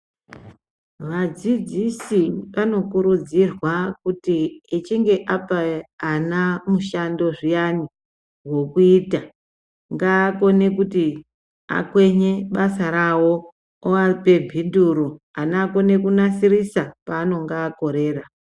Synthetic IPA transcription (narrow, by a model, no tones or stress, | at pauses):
ʋad͡zid͡zisiʋano̞kuɾud͡zirwakutiet͡ʃiŋɡe̞ʔapaːnamuʃando̞ʐijani | wo̞kuiːta | ŋɡaːko̞ne̞k̬uti | a̰kwe̞ɲe̞ɓasaɾawo̞ | oaripe̞bʱinduɾu | anako̞ne̞kunasirisapaːno̞ŋɡaːko̞ɾe̞ːra